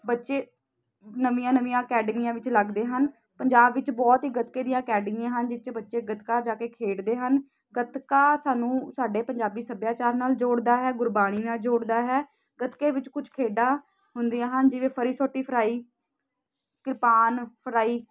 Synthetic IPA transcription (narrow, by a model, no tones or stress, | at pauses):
bətːʃeː | nəʋijãːnəʋijãːəkɛːɖmijãːʋɪt͡ʃləɡd̪eːɦən | pəɲd͡ʒaːbʋɪt͡ʃbɔːt̪ɦiːɡət̪keːd̪ɪ̃jãːəkɛːɖmɪjãːɦənd͡ʒɪt͡ʃbətːʃeːɡət̪kaːd͡ʒaːkeːkʰeːɽd̪eːɦən | ɡət̪kaːsaːnũːsaːɖeːpəɲd͡ʒaːbiːsəbjaːt͡ʃaːɾnaːld͡ʒoːɽd̪aːɦɛːɡʊɾbaːɽ̃iːnaːld͡ʒoːɽd̪aːɦɛː | ɡət̪keːʋɪt͡ʃkʊt͡ʃʰkʰeːɖaː | ɦʊnd̪iːãːɦənd͡ʒɪʋẽːpʰəɾiːsoːʈːiːpʰəɾaːiː | kɪɾpaːnpʰəɾaːiː